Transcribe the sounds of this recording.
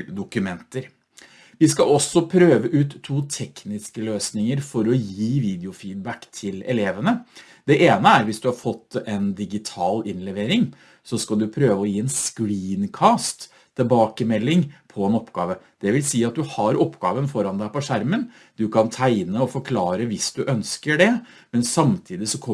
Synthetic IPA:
d̪ʊkʉmɛnt̪əɾ | ʋɪskɑɔsːɔpʰɾøːʋəʔʉːt̪ʰːuːt̪ʰɛknɪskəløːsnɪŋəɾfɔɾɔjiːʋiːd̪ɪʊfiːd̪̚bækt̪ʰɪlɛ̰leːʋənə | d̪ɛʔeːnəæɾʋɪsd̪ʉhɑɾfɔt̪ːɛnd̪ɪɡɪt̪ʰɑːlɪnlɛʋeːɾɪŋ | sɔskɑld̪ʉpʰɾøːʋəɔjiːɛnskɾiːnkʰɑːst̪ʰː | ɛbɑːkəmɛlːɪŋpʰɔɛnɔpːɡɑ̰ːʋəd̪̥ɛʋɪlsiːɑt̪̚d̪ʉhɑɾɔpːɡɑ̰ːʋənfɔɾɑnd̪æɪpɔʂæɾmən | d̪̥ʉkʰɑnt̪ʰæɪnəɔfɔɾkʰlɑːɾəʋɪsd̪ʉʔœnskəɖɛ | mɛnsɑmt̪ʰiːd̪ɪsɔkʰɔ

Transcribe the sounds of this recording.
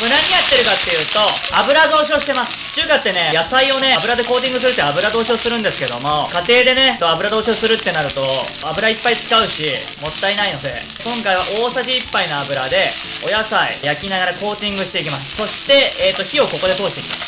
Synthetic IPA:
konaɲ̟ijat̪ːe̞ɾɯ̟kat̪ːe̞jɯ̟ːt̪o̞abɯ̟ɾad̪o̞ːɕioːɕi̥t̪emasɨ̥t͡ɕɨːkat̪ːe̞ne̞jasaio̞ne̞abɯ̟ɾad̪e̞ko̞ːt̪̬ʲĩŋɡɯ̟s̬ɨɾɯ̟t̪ːeabɯ̟ɾad̪o̞ːɕio̞ːsɨɾɯ̃nd̪e̞sɨ̥ke̞d̪o̞mo̞kat̪e̞ːd̪e̞ne̞t̪oabɯ̟ɾad̪o̞ːɕioːsɨɾɯ̟t̪ːe̞naɾɯ̟t̪o̞ | abɯɾaipːait͡sɨ̥kaɯ̟ɕi | mo̞t̪ːainaino̞d̪e̞̰ | kõ̞ŋkaiβaʔo̞ːsaʑiːpːainoabɯ̟ɾad̪e̞ | o̞jasaḭjakʲinaɣaɾako̞ːt̪ʲĩŋɡɯ̟ɕi̥t̪e̞ikʲimasɨ̥so̞ɕi̥t̪e̞ːt̪ːo̞çio̞ko̞ko̞d̪e̞t̪oːɕi̥t̪eikʲimas

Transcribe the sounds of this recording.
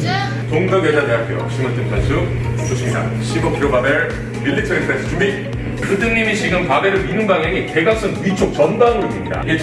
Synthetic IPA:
toŋdʌɡed͡ʑadeɦapʰjo̰ɕʰimɯɭt͈ɯnpʰansʰɯk | sʰoɕʰiŋsa̰ɕʰibʌpʰɾobabeɭ | pilːitʰɯipʰest͡ɕʰubi | kʰɯdɯŋɲimiɕʰiɡɯnpabe̞ɾɯɭminɯnbaŋɦeŋite̞ɡak̚s͈ɯŋɥit͡ɕʰok̚t͡ɕʌnbaŋomimɲida̰e

